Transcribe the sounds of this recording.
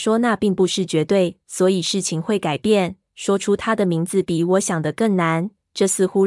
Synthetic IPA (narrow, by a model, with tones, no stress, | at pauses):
ʂwɔ˥na˥˧pi˥˧ŋpu˧ʂɻ̩˥˩t͡ɕɥɛ˧˥t̪we˥˩ɪ | swɔ˧˥i˨˩ʂɻ̩˥˩t͡ɕʰi˨ŋxwe˥˩ɪka˨˩ɪpjɛ˥˨n | ʂwɔ˥ʈ͡ʂʰu˥t̪ʰa˥d̪ə˨mi˧˥ŋd͡zɹ̩˨pi˨˩wɔ˧˥ɕjɑ˨˩ŋd̪ə˦kə˥˩ŋna˧˥˦n | ʈ͡ʂɤ˥˧sɹ̩˥˧xu˥